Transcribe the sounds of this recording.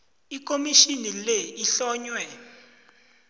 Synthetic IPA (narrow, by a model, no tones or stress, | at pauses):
ik̬ʼomiʃinileiɬɔːɲwɛ